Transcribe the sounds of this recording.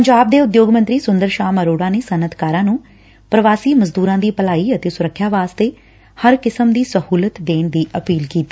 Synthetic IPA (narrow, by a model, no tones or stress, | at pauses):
pəɲd͡ʒaːb̚d̪eːʊd̪joːɡmə̃nt̪ɾiːsʊnd̪əɾʃaːməɾoːɽãːneːsənət̪kaːɾãːnũː | pɾəʋaːsiːməzd̪uːɾãːd̪iːpəlaːiːət̪eːsʊɾəkʰːjaːʋaːst̪eː | həɾkɪsəmd̪iːsəhuːlət̪d̪eːnd̪iːʔəpiːlkiːt̪i̥ː